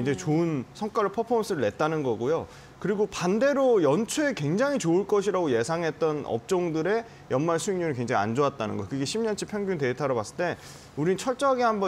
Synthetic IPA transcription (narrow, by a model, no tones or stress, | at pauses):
ind͡ʑe̞t͡ɕoɯnsʰʌŋk͈aɾɯɭpʰʌpʰʌmʌs͈ʰɯɾɯɭːe̞t̚t͈anɯnɡʌɡojo | kɯɾiɡopande̞ɾojʌnt͡ɕʰuekwe̞ŋd͡ʑaŋɦit͡ɕoɯɭk͈ʌɕʰiɾaɡoje̞sʰaŋɦe̞t̚t͈ʌnʌ̰p̚t͡ɕ͈oŋdɯɾe̞ | jʌnmaɭsʰuiŋɲunɯɭkwe̞ŋd͡ʑaŋia̰nd͡ʑoat̚t͈anɯ̰nɡʌkɯɡe̞ɕʰimɲʌnt͡ɕʰipʰjʌŋɡjunte̞itʰaɾopas͈ɯ̥ɭt͈e̞ | uɾint͡ɕʰʌɭt͡ɕ͈ʌaɡehambʌ